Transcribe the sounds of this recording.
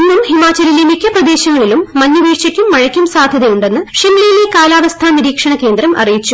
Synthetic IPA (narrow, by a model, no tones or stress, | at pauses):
inːumhimaːt͡ɕːɐlilemikʰʲːɐprɐd̪e̞ːɕɐŋːɐɭilumːɐɲːuʋiːʂɐkʲːumːɐɻɐkʲːumsaːd̪ʱjɐðɐjuɳɖe̞nːɨʂemlijile̞kaːlaːʋɐst̪ʰaːniɾiːkʂɐɳɐke̞ːnd̪rɐmʔɐ̰rijit͡ɕːu